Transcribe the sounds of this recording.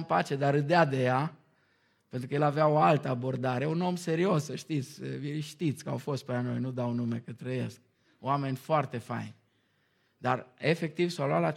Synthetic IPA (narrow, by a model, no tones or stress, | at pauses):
mpat͡ʃe̞d̪aɾɨd̪ead̪e̞ja | pe̞nt̪ɾukəje̞laveaoalt̪əabo̞rd̪aɾe̞uno̞mse̞ɾio̞səʃt̪it̪sʲiʃt̪it̪sʲkəa̰wfo̞st̪̚pelano̞̰jnud̪awnume̞kət̪ɾəje̞̰sk̚ | oame̞nʲfoart̪e̞fa̰jnʲ | d̪arefe̞k̚t̪ivsawluat̪la